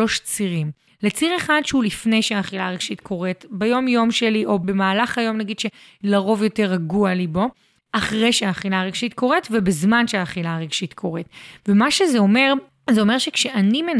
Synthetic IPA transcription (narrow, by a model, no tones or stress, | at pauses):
o̞ʃt͡siʁim | let͡siʁeχad̪ʃeulifne̞jʃeaːχilaʁeɡ̥ʃit̪kʰo̞ʁetbejo̞mjo̞mʃeliʔo̞be̞maːlaχhajo̞mnaɡid̪̥ʃe̞ | laʁo̞vjo̞te̞ʁaɡualibo̞ | ʔaχʁejʃeaːχilaʁeɡ̥ʃit̪ko̞ʁetvebezmanʃeaːχilaʁeɡʃit̪kʰo̞ʁetvemaʃezeo̞me̞ʁ | zeo̞me̞ʁʃekʃeʔanimen